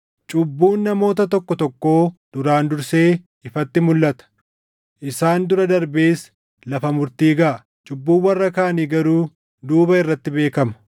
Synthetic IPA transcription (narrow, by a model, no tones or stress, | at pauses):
t͡ʃʼʊbːuːnːɐmo̞ːt̪ɐt̪ɔkːɔt̪ɔkːo̞ːd̪̥ʊɾaːnd̪ʊɾse̞ː | ɪfɐt̪ːɪmʊlːɐt̪ɐ̥ | ʔɪsaːnd̪ʊɾɐd̪ɐɾbe̞ːs | lɐfɐmʊɾt̪iːɡɐʔɐ | t͡ʃʼʊbːuːnwɐrːɐkaːɐniːɡɐɾuː | d̪uːbɐɪrːɐt̪ːɪbe̞ːkɐmɐ̥